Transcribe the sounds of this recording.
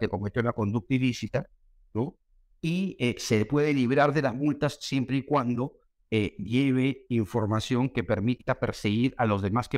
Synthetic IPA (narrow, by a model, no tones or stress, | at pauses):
ekomet̪junako̞nd̪uk̚t̪ilisit̪a | no | iese̞pwe̞ðe̞liβɾaɾðe̞lazmult̪asje̞mpɾeikwand̪o̞ | eje̞β̞e̞iɱfo̞ɾmasjo̞ŋke̞pe̞ɾmit̪ape̞ɾseɣiɾalo̞zðe̞maske